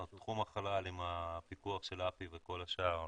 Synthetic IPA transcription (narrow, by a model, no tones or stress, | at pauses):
t̪χumaχalalimapikuaχʃe̞lapiveko̞laʃaʁ